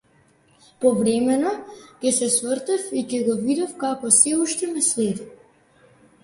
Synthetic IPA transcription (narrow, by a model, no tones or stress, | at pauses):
pɔvɾɛmɛnɔkʲɛsɛsvrt̪ɛfikɛɡɔvid̪afkakɔsɛuʃt̪ɛmɛslɛd̪i